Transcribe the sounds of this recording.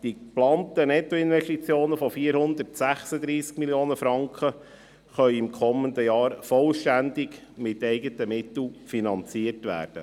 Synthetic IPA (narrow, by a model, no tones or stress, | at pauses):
d̥iplɑːntənɛt̪ːɔɪnʋɛʃtit͡sjoːnəfɔfiːəɾhʊnd̪ərtsæχsəd̪ɾiːskmiljoːnəfɾɑŋkχə | χœʏɪmkʰɔmːənd̪əjɑːɾfɔlʃtænd̪ɪɡ | mɪtɛɪɡətəmɪt̪l̩finɑnt͡siəɾtʋæ̰ːɾd̥ə̰